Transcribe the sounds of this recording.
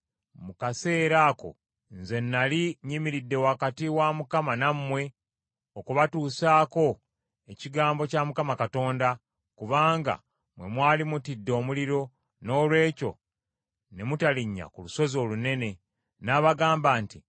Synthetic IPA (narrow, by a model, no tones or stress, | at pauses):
mukase̞ːɾaːko̞̰ | nze̞nːaliɲimiɾidːe̞wakatiwamukamanamːwe̞ | okuβatuːsaːko̞ | e̞ciɡaːmbo̞caːmukamakato̞ːnda | kuβaːŋɡa̰ | mwe̞̰mwaːlimutidːo̞ːmuliɾo̞ | no̞ːlwe̞ːco̞̰ | ne̞mutaliɲːa̰kuluso̞zo̞ːlune̞ne̞ | naːβaɡaːmbaːnti